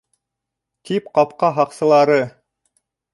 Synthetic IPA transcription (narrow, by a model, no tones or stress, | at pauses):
k̪ipqɑpqɑɦɑqsɤ̆lˠɑɾɤ